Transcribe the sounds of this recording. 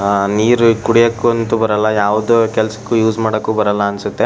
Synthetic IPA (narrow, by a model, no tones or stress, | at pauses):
niːɾukuɽijɐkːuɐnt̪ubɐɾɐlːɐjaːʋɐd̪okɛlɐsɐ̥kːujuːzmaːɽɐkːuːbɐɾɐlːɐːnsut̪ːe